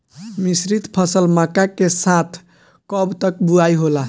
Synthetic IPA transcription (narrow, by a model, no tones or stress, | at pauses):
misɾit̪pʰʌsəlmakakesat̪ʰ | kɔbt̪əkbuajɦola